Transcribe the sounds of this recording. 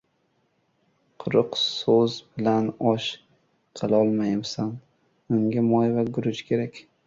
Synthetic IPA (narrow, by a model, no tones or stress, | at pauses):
qʰʊɾʊqsozbɪlanɒʃ | qʰɨlˠɒlˠmajɪmsan | ʊŋɡʲamɒjvaɡʊɾʊt͡ʃkʲʰe̞ɾakʲ